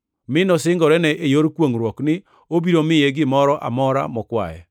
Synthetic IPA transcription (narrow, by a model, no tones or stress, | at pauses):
mɪnɔsɪŋɡɔɾɛnɛʔejoɾkwoŋɾwɔknɪ | obiɾomɪjeɡɪmɔɾɔʔa̰mɔɾa̰mɔkwa̰jɛ̰